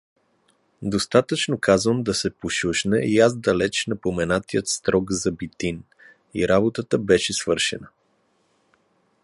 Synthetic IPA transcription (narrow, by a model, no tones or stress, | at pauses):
d̪ost̪at̪ət͡ʃnokazvəmd̪ɐsɛpoʃuʃnɛiaz̬d̪ɐlɛt͡ʃnɐpomɛnat̪ijət̪st̪ɾɔɡzɐbit̪in | ḭɾabot̪ət̪əbɛʃɛsvɤɾʃɛ̰nə